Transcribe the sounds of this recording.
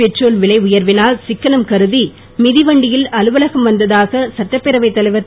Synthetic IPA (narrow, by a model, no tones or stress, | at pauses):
ɛʈroːlʋɪɭɐɪʊjɐɾʋɪnaːlsɪkːɐnɐmkɐɾɯði | mɪðiʋɐɳɖɪjɪlɐlɯʋɐlɐɣɐmʋɐnd̪ɐðaːɣɐsɐʈːɐpːɛɾɐʋɐɪt̪ːɐlɐɪʋɐt̪ː